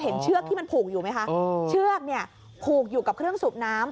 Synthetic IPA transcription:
ɦe˩˦nt͡ɕʰɯ˥˩ək̚t̪ʰiː˥˩ma˧npʰuː˨˩k̚juː˨˩ma˦˥jkʰa˦˥ʔt͡ɕʰɯ˥˩ək̚ni˥˩ə | pʰuː˨˩k̚juː˨˩ka˨˩p̚kʰɾɯ˥˩əŋsuː˨˩p̚naː˦˥m

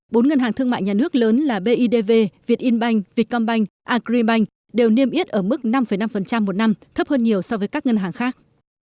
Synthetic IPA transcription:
ɓo˨˦nŋə˧nɦaː˨˩ŋt̪ʰɨ˧əŋma̰ː˧˨jɲaː˨˩nɨ˦˥ək̚ləː˨˦nlaː˨˩ɓe˧ʔi˧ɗe˧ve˧vi˨˩ət̚ʔi˧nɓa˧jŋ̟vi˨˩ət̚kɔ˧nɓa˧jŋ̟ʔaː˧kɾi˧ɓa˧jŋ̟ | ɗe˨˩wni˧əmʔi˦˥ət̚ʔəː˧˩mɨ˦˥k̚na˧mfə˨˩jna˧mfə˨˩nt͡ɕa˧mːo˨˩t̚na˧mt̪ʰə˦˥p̚həː˧nɲi˨˩əwsɔ˧vəː˨˦jkaː˦˥k̚ŋə˧nɦaː˨˩ŋxaː˦˥k̚

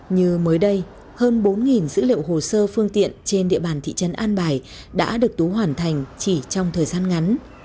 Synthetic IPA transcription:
ɲɨ˧məː˨˦jɗə˧j | həː˧nɓo˨˦nŋi˨˩nzɨ̰˧˥lḭ˧˨əwho˨˩səː˧fɨ˧əŋt̪ḭ˧˨ənt͡ɕe˧nɗḭ˧˨əɓaː˨˩nt̪ʰḭ˧˨t͡ɕə˨˦nʔaː˧nɓaː˨˧˩j | ɗa̰ː˧˥ɗɨ˨˩ək̚t̪u˨˦ɦwaː˧˩nt̪ʰa˨˩jŋ̟t͡ɕi˧˩t͡ɕɔ˧wŋ͡mt̪ʰəː˨˩jzaː˧nŋa˨˦n

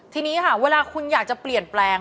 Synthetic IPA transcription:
t̪ʰiː˧niː˦˥kʰa˦˥˩weː˧laː˧kʰu˧njaː˨˩k̚t͡ɕa˨˩pli˨˩ənplɛː˧ŋ

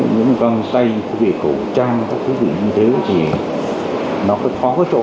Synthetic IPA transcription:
ɲɨ̰˧˥ŋkɔ˧nt̪a˧jke˧˩ko˧˩t͡ɕaː˧ŋkaː˦˥k̚t̪ʰɨ˨˦zḭ˧˨ɲɨ˧t̪ʰe˨˦t̪ʰi˨˩ | nɔ˨˦kɔ˨˦xʰɔ˨˦kɔ˨˦t͡ɕo̰˧˨

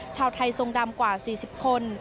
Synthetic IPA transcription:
t͡ɕʰaː˧wt̪ʰa˧jso˨˧˩ŋda˧mkwaː˨˩siː˨˩si˨˩p̚kʰo˧n

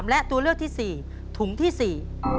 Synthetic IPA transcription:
mlɛ˦˥ʔt̪u˧əlɨ˥˩w̚t̪ʰiː˥˩siː˨˩ | t̪ʰu˨˩˦ŋt̪ʰiː˥˩si˨˩

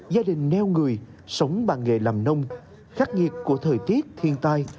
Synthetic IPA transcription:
zaː˧ɗï˨˩ŋ̟nɛ˧wŋɨ˨˩əj | sə˨˦wŋ͡mɓaː˨˩nŋḛ˧˨˩laː˨˩mnə˧wŋ͡m | xa˦˥k̚ŋi˨˩ət̚ku˧˩ət̪ʰəː˨˩jt̪i˦˥ət̚t̪ʰi˧ənt̪aː˧j

